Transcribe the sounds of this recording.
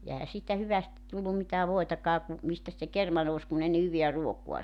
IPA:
jɑ ehæ siːtæ hyʋæsti tulːum mitæː ʋoitɑkɑː ku mistæs se kermɑ nous kun ei ne hyʋiæ ruokuɑ

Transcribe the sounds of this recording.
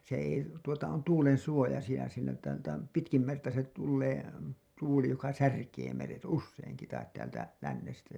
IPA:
se ei tuotɑ on tuːlen suojɑsijɑ siːnæ tːæ tæm pitkim mertɑ se tulːeː tuːli jokɑ særkeː meret usːeiŋki tɑit tæːltæ lænːestæ

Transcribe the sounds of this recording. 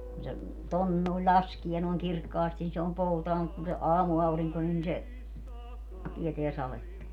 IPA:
kun se ton noˑi̯lʲ lʲɑskie noi̯ŋ kirkːɑːsti ni se om poutɑː mut kun se ɑːmuɑuriŋko nin se tieteæ sɑletːɑ

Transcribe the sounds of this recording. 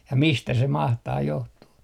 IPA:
jɑ mistæ se mɑhtɑː johtuː

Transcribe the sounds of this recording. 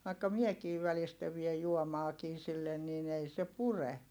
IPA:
ʋɑikːɑ miekiːʋ̆ ʋælistæ ʋiej juomɑːkiː silːen niːn ei se pure

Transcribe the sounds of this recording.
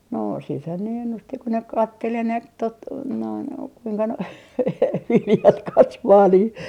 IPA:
no siːthæn ne enːusti ko ne kɑtːel enemp tot noin kuiŋkɑ noi ʋiljɑt kɑsʋɑː niː

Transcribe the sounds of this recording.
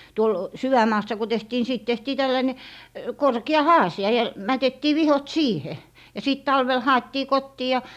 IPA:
tuol syʋæmˑɑːsːɑ ku tehtiː ni siːt tehtiː tælːɑine korki̯ɑ hɑːsiɑ jɑ mætetːiː ʋihot siːhe jɑ siˑt tɑlʋel hɑetːiː kotːiː jɑ

